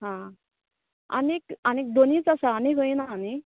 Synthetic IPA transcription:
ɦã | a̰nekanek̚d̪oniːt͡sasaːniɡoinaːni

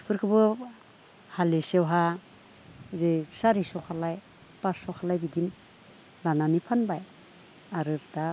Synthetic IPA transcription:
pʰɯɾkʰɯbɯ | halesewɦa | ɾesaɾisɔkʰalaj | pasɔkʰalajbidim | lananipʰanbaj | aɾɯɾda

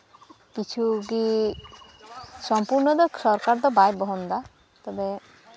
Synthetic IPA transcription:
kit͡ʃʰuɡi | sɔmpuɾnɔd̪ɔsɔɾkaɾd̪ɔbajbɔɦɔnd̪a | t̪ɔbɛ

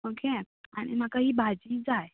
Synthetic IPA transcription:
okʰe | aɽ̃ḭmakaɦiːbʱad͡ʑiːd͡zaj

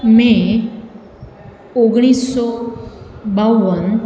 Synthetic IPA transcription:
mẽ | oɡɽ̃iːsːɔ | baʋən

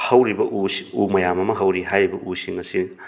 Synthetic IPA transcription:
hɐwɾibɐʔuumɐjamɐmɐɦɐwɾiɦajɾibɐʔusiŋɐsi

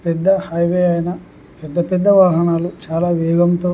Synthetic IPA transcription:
pɛd̪ːɐhɐjʋeːɐjɐnɐ | pɛd̪ːɐpɛd̪ːɐʋaːɦɐɳaːlut͡ʃaːlaːʋɛːɡɐmt̪oː

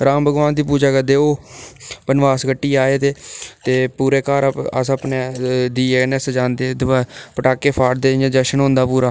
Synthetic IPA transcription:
ɾaːmbʱəɡʋaːnd̪iːpuːd͡ʒaːkəd̪eːoː | pənʋaːsɡəʈːiːaːeːt̪eːt̪eːpuːɾeːkaːɾə̰səpneːɖiːeːnɛsd͡ʒãːnd̪eːd̪apəʈaːkːeːpʰaːʈd̪eːãːd͡ʒəʃənõːnd̪aːpuːɾaː

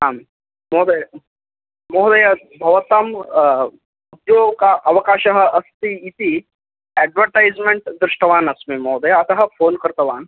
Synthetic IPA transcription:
ɦam | moɦd̪ɐj | moɦd̪ɐjɐ | bʱɐʋt̪əm | ud̪jokaʔɐʋɐkaɕəɦəʔɐst̪iit̪i | ɛɖʋəɾʈajd͡zmeɳʈd̪ɾɨʂʈɐʋaːnɐsmemɔɦd̪ɐjɐːt̪ɐɦɐfoːnkəɾt̪ɐʋaːn

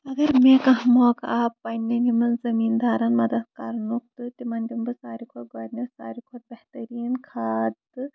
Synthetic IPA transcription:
ɐɡɐɾmeːkɐ̃ɦmoːkaːpːɐnːenimɐnzɐmiːnd̪aːɾɐnmɐd̪ɐd̪̚kaːɾnuk̚t̪ɨt̪imɐnʲd̪imbɨsaːɾikʰoːt̪̚ɡoːɾnesa̰ːɾikʰoːt̪̚bɐht̪ɐɾiːnkʰaːd̪ɨ

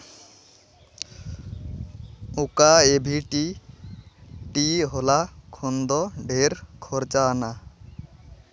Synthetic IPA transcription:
ukaebʱiʈi | ʈiɦolakʰond̪ɔɖʱeɾkʰɔɾt͡ʃana

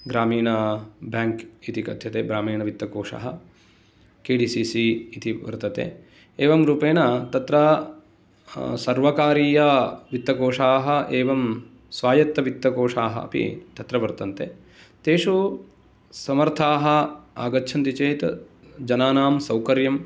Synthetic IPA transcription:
ɡɾaːmiːɳɐbjaːŋkit̪ikɐ̰d̪ʱjɐt̪eːbɾaːmiːɳɐʋit̪ːɐkoːʂa̰ːɦɐ | keːɖiːsisiit̪iʋɐ̰ɾt̪ɐt̪ḛː | eːʋɐmɾuːpeːnɐt̪ɐt̪ɾɐ | sɐɾʋɐkaːɾiːjɐʋit̪ːɐkoːʂaːɦɐ̆ʔeːʋɐm | sʋaːjɐt̪ːɐʋit̪ːɐkoːʂaːɦɐ̰ɐ̰pḭt̪ɐt̪ɾɐʋɐɾt̪ɐnt̪ḛː | t̪eːʂu | sɐmɐɾt̪ʰaːɦɐa̰ːɡɐtːʃʰɐnt̪it͡ʃeːt̪ | d͡ʒɐnaːnaːmsɐwkɐɾjɐm

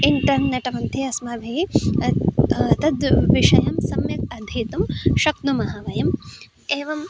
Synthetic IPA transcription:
iɳʈɐmnɐʈɐmɐnt̪ʰiɐsmɐbʱi | t̪ɐd̪ʋiʂɐjɐmsɐmjɐk̚ɐd̪ʱiːt̪umʃɐknumɐɦɐʋɐjɐm | eːʋɐm

